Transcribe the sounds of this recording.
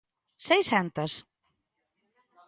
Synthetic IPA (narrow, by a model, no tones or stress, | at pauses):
sejsɛnt̪ɐs